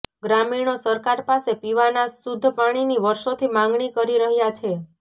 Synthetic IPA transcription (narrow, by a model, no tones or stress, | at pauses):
ɡɾamiɳ̃osəɾkaɾpasepiʋanasud̪ʱːəpaɽ̃iniʋəɾʃot̪ʰimãŋɡɳikəɾiɾəɦjat͡ʃʰe